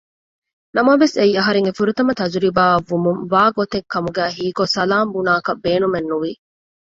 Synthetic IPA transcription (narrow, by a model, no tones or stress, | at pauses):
nɐmɐʋeseiːɐɦɐɾeŋefuɾut̪ɐmɐt̪ɐd͡ʒɾibaːɐʋːumuŋʋaːɡot̪eŋkɐmuɡæːɦiːkosɐlaːmbunaːkɐbbeːnumenːuʋi